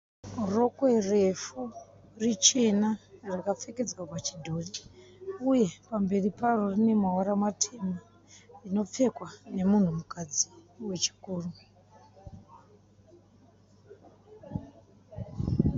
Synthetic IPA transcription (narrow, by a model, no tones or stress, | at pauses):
ro̞kwerefu | rit͡ʃe̞narakap͡feke̞d͡zwapat͡ʃidʱoːri | uje̞pambe̞riparo̞rine̞mawaɾamatʰema | rino̞p͡fe̞kwane̞mun̤umukad͡ziwe̞t͡ʃi̥kuːru